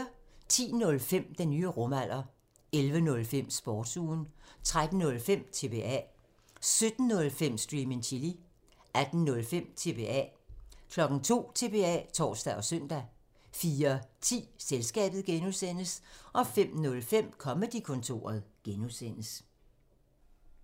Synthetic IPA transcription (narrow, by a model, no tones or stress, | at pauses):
ɐt͡sʰḭːnɔ̽lfem̰d̥enyːəʁɔ̽mæl̰ʔɐ | elʋənɔ̽lfem̰sb̥ɒːd̥suːnt͡sʰʁad̥n̩nɔ̽lfem̰t͡sʰe̝b̥e̝ɛ̰ | sød̥n̩ːɔ̽lfem̰sd̥ʁiːmeŋt͡sʰili | ʔæd̥n̩nɔ̽lfem̰t͡sʰe̝b̥e̝ɛ̰kʰlɒ̽ɡ̥n̩t͡sʰo̝̰ːt͡sʰe̝b̥e̝ɛ̰t͡sʰɒ̰ːsd̥æʔɒ̽sœn̰d̥æ | fiːɐt͡sʰḭːselsɡ̥ɛ̰ːb̥ð̩ˠɡ̥enuðˠsen̰əsʔɒ̽fem̰nɔ̽lfem̰kʰɒ̽məd̥ikʰɔ̽nt͡sʰo̝̰ːɐð̩ˠɡ̥enuðˠsen̰əs